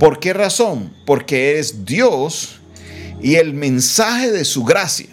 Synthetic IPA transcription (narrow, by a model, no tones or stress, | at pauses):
po̞ɾke̞raso̞mpo̞ɾke̞eɾezd̪jos | ielmẽ̞nsaxe̞ðe̞suɣɾasja